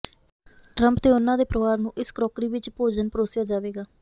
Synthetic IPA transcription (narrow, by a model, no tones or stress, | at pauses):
ʈɾəmpt̪eːʊnãːd̪eːpɾəʋaːɾnũːʔɪskɾɔːkɾiːʋɪt͡ʃpoːd͡ʒənpəɾoːsjaːd͡ʒaːʋeːɡaː